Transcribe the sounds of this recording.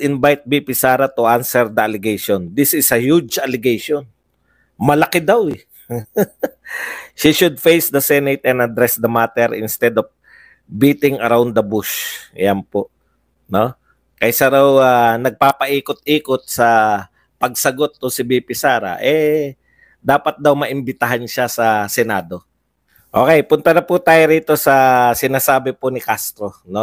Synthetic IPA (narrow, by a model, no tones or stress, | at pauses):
ɪnbajt̪̚bipɪsaːɾɐt̪ʊʔansɛɹd̪ɐɐlɪɡejʃond̪isɪsɐhud͡ʒɐlɪɡejʃon | mɐlɐkɪd̪awɛ | ʃiʃʊd̪̚fejsd̪ɐsɛnejt̪ɛ̃nd̪ɐd̪ɾɛsd̪ɐmat̪ɛɾɪ̰nst̪ɛd̪ɔf | biːt̪ɪŋɐɾawnd̪ɐbuʃjɐnpoʔ | no̞ | kɐjsɐɾawanɐɡ̚paːpɐʔiːkot̪̚iːkot̪̚sɐ | pɐɡ̚sɐɡot̪̚ːʊsɪbipɪsaːɾa̰ʔɛ | d̪aːpɐt̪̚d̪awmɐʔɪmbɪt̪ɐɦanʃasɐsɛnaːd̪o̞ | ʔo̞ːkɛjpʊnt̪ɐnɐput̪aːjoɾiːt̪o̞sɐsɪnaːsaːbɪpʊnɪkast̪ɾo̞no